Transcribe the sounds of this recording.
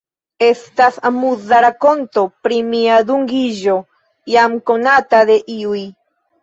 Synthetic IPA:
e̞st̪asamuðaɾako̞nt̪o̞pɾimiad̪uŋɡiʒo | jamkonat̪ad̪e̞ʔiuj

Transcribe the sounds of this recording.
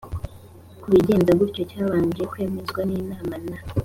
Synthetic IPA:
kuβiɟe̞ːnzabɡiɾcocaːβaːɲɟijekweːmezɡwaniːnaːmana

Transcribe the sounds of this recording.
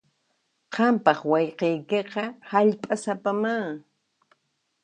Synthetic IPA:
qɑmpɑχwɑjqejkeqɑhaʎpʼasapamaŋ

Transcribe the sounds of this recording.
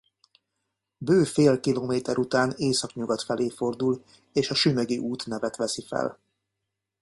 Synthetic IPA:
bøːfeːlkiloːmeːt̪ɛɾʔut̪aːneːsɒkɲuɡɒt̪fɛleːfo̞rd̪ul | eːʃɒʃymøɡiʔuːt̪nɛvɛt̪ʋɛsifɛ̰l

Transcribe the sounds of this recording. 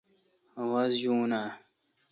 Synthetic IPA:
wɐzʑuːna

